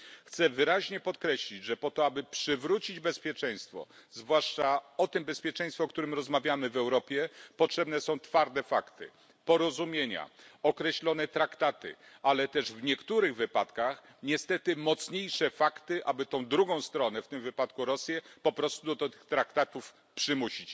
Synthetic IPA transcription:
xt̪sɛvɘɾaʑɲɛpɔt̪kɾɛɕlʲid͡ʑʐɛpɔt̪ɔabɘpʂɘvɾut͡ɕid͡ʑbɛspʲjɛt͡ʂɛj̃st̪fɔ̰zvwaʂt͡ʂaɔt̪ɘmbɛspʲjɛt͡ʂɛ̃j̃st̪fɛɔkt̪uɾɘmɾɔzmavʲjamɘvɛwɾɔpʲjɛpɔtʂɛbnɛsɔ̃w̃t̪faɾd̪ɛfakt̪ɘ̰ | pɔɾɔzumʲjeɲa̰ɔkɾɛɕlɔnɛt̪ɾakt̪at̪ɘ̰alɛt̪ɛʐvɲɛkt̪uɾɘɣvɘpat̪kax | ɲɛst̪ɛt̪ɘmɔt̪sɲejʂɛfakt̪ɘʔabɘt̪ɔ̃w̃d̪ɾuɡɔ̃w̃st̪ɾɔnɛft̪ɘmvɘpat̪kuɾɔsʲjɛpɔpɾɔst̪ud̪ɔd̪ɔt̪ɘ̥xt̪ɾakt̪at̪uf | pʂɘmuɕit͡ɕ

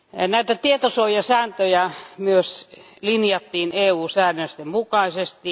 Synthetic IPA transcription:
næit̪æt̪iet̪osoijɑsæːnt̪øjæmyøslinjɑt̪ːiːneːuːsæːnøsʲt̪emmukɑˑisest̪i

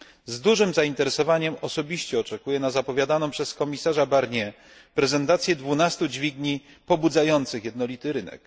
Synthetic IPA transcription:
zd̪uʐɘmzaint̪ɛɾɛsɔvaɲɛmɔsɔbʲiɕt͡ɕɛɔt͡ʂɛkujɛnazapɔvʲjad̪anɔ̃pʂɛskɔmʲisaʐabaɾɲɛ | pɾɛzɛnt̪at̪sʲjɛd̪vunast̪ud͡ʑvʲiɡɲi | pɔbud̪zajɔnt̪sɘxjɛd̪nɔlʲit̪ɘɾɘnɛ̰k

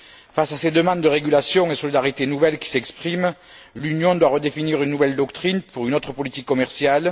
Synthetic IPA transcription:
fasased̪əmɑ̃d̪ːəʁeɡʲylasjɔ̃esɔlid̪aʁit̪enuvɛlkʲi̥sɛkspχim | lynjɔ̃d̪waʁəd̪efiniʁynːuvɛld̪ɔkt̪χinpuʁynɔt̪χəpɔlit̪ikːɔmɛʁsjal

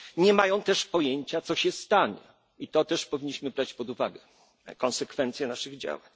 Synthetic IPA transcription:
ɲɛmajɔ̃w̃t̪ɛʂpɔjeɲt͡ɕat̪sɔɕɛst̪aɲɛ̰ | it̪ɔt̪ɛʂpɔvʲiɲːiɕmɘbɾat͡ɕpɔd̪uva̰ɡɛ | kɔnsɛkfɛnt̪sʲjɛnaʂɘɣd͡ʑa̰waɲ

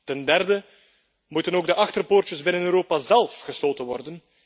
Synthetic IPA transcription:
tɛndɛrdə | mutənoːɡ̚dəʔɑxtərpoːrtəzbɪnənøːɾoːpazɛlˠfɣəsloːtənʋɔrdən

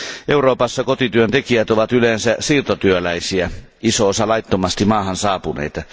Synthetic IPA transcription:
ʔeuroːpɑsːɑkot̪it̪yønt̪ekiæt̪oʋɑt̪ylensæsiːrt̪ot̪yølæisiæ | isoosɑlɑit̪ːomɑst̪imɑːhɑnsɑːpunḛit̪ɑ

